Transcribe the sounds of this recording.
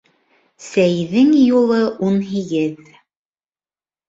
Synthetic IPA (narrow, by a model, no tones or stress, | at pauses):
sæjðɘŋjulˠɤʔunɦiɡɘð